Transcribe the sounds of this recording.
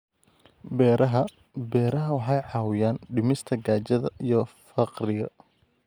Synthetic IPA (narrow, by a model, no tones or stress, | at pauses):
bɛɦɐ | bɛːɾɐɦɐwɑħɑjʕɑːwɪjaːnɖɪmɪst̪ʰɐɡaːt͡ʃɐðɐʔijɞfɐqrɪɣɐ̰